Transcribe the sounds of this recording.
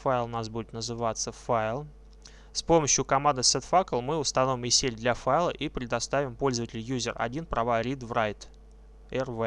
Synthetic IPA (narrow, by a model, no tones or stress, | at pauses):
fajɪlˠnasbudʲɪt̪nəzɨvat̪səfaɪlˠ | spo̞məɕjʊkɐmand̪ɨsɛt̪fakəlˠmɨʊst̪ɐnovʲɪmɨsʲelʲd̪lʲafajlˠə̰ʔipɾʲɪd̪ɐst̪avʲɪmpo̞lʲzəvətʲɪlʲjuzʲɪrɐ̰dʲinpɾɐvaɾʲid̪vɾajt̪ | ɛrvɛ